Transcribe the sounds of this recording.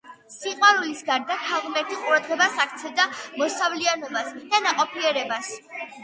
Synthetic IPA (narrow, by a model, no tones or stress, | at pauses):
siqʼwaɾulisɡaɾd̪at̪ʰaʁmɛɾt̪ʰiqʼuɾad̪ʁɛbasak̚ʰt̪sʰɛd̪amɔsavlianɔbasd̪̥anaqʼɔpʰiɛɾɛbas